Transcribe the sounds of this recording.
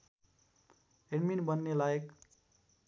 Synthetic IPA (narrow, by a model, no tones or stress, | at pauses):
eɖminbʌnːelajek